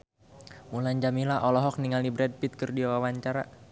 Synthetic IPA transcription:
mulaɲd͡ʒamilaʔɔlɔɦɔk̚niŋalibɾɛd̚pit̪̚kərdiawawaɲt͡ʃaɾa

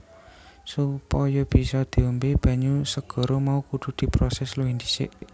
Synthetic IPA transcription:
supɔjɔb̥i̤sɔd̪̥i̤əmbeb̥a̤ɲusəɡ̥ɔ̤ɾomaukuɖ̪̥ṳd̪̥i̤pɾɔsɛsluɦind̪isɪ̰ʔ

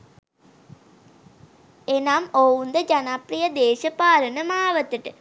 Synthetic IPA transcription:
enamoːwund̪əd͡ʒanaprijəd̪eːʃɐpaːɾənəmaːʋət̪əʈə

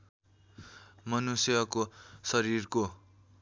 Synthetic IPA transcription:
mʌnusjʌkosʌɾirko

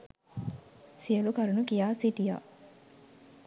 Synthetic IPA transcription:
siəlukɐɾunukijaːsiʈija̰ː

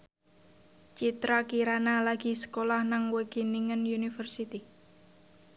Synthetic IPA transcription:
t͡ʃit̪ɾakiɾanalaɡ̥i̤sə̥kolahnaŋwəɡ̥iniŋənunifərsit̪i

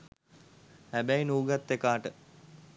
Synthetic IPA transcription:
hæbæjnuːɡat̪ːekaːʈə

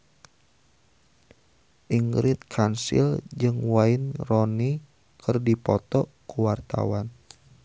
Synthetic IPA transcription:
ʔiŋɡɾɪt̪̚kʰansḭld͡ʒɨŋwainrɔni | kʰɨrdipɔt̪ɔkuwart̪a̰wan

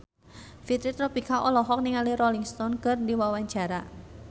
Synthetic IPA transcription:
fit̪ɾit̪ɾɔpikaʔɔlɔɦɔk̚niŋaliɾɔliŋst̪ɔnkərdiwawaɲd͡ʒaɾa

